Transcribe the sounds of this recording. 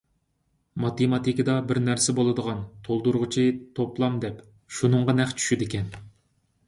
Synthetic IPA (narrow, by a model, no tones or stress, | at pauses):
mɑt̪emɑt̪ʰikʲɪd̪ɑbɪɾnæɾsɛbolˠɨd̪əʁɑnt̪ʰolˠd̪uɾʁʊt͡ʃʰit̪ʰoplˠɑmd̪ɛp | ʃunɨɴʁɑnɛχt͡ʃʰy̥ʃyd̪ɪkʲɛn